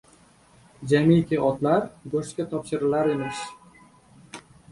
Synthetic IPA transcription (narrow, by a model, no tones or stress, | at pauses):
d͡ʒamikʲʰɪɒt̪laɾɡoʃkʲat̪ʰɒpʃɪɾɪlaɾemɪʃ